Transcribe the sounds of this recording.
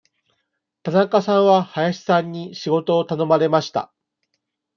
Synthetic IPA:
t̪anakasãɰ̃βahajaɕi̥sãɲ̟ːiɕiɡo̞t̪o̞ːt̪ano̞maɾe̞maɕi̥t̪a̰

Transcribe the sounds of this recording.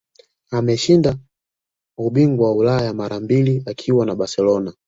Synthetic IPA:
amɛʃinda | uɓiŋɡuwaulajamaɾʔambiliakʰiwanaɓasɛlɔna

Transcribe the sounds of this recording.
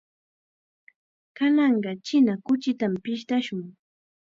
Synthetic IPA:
kanɑɴɢɑt͡ʃɪnakʊt͡ʃɪt̪ampɪʃt̪aʃʊŋ

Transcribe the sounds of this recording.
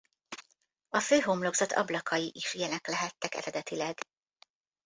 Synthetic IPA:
ɒføːɦomloɡzɒt̪ʰɒ̰blɒkʰɒjiʔiʃijɛnɛklɛɦɛt̪ːɛkɛ̰ɾɛd̪ɛt̪ilɛɡ

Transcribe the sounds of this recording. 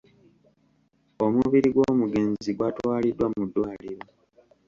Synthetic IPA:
omuβiɾiɡwo̞ːmuɡe̞ːnziɡwatwaːlidːwamudːwaːliɾo

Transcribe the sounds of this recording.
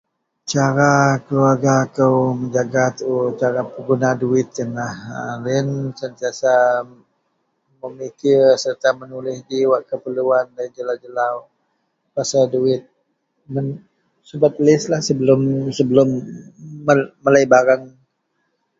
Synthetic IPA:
t͡ʃaɾakəluarɡakəwməɲd͡ʒaɡat̪ut͡ʃaɾapəɡunaduɪt̪̚jənahəlɪnsənt̪iasa | məmik̪iəsərt̪amənulɪhdiwaʔkəpəluandaid͡ʒəlawd͡ʒəlaw | pasaduɪt̪̚ | mən | subat̪̚lɪslahsəbəlʊmsəbəlʊmː | əːəlajbaɾaŋ

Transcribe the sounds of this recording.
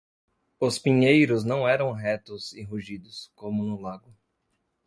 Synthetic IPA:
ʊspĩɲejɾʊznɐ̃w̃ɛɾɐ̃w̃ɦɛt̪ʊzɪɦuʒid̪ʊskõmʊnʊlaɡʊ

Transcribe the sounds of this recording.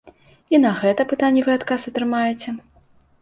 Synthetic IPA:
inɐɣɛt̪ɐpɨt̪anʲːɛvɨat̪kasɐt̪ɾɨmajɛt͡sʲɛ

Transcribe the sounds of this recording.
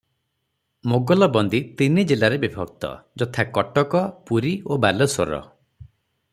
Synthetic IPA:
moɡɔlɔbɔnd̪it̪inid͡ʒilaɾebibʱɔɡ̚t̪ɔ̰d͡ʒɔt̪ʰakɔʈɔkɔpuɾiobalɔso̰ɾɔ̰

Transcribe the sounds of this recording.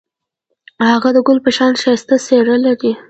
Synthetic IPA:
haɣad̪əɡʊlpəʃɑnʃɑjst̪aseɽəlaɾi

